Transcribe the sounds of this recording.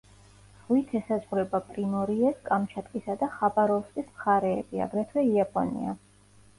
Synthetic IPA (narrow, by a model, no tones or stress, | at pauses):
z̥ʁwit̪ʰɛsazʁɾɛbapʼɾimɔɾiɛskʼamt͡ʃʰat̪ʼkʼisad̪aχabaɾɔvskʼismχaɾɛ̰ːbia̰ɡɾɛt̪ʰwɛiapʼɔ̰nḭa̰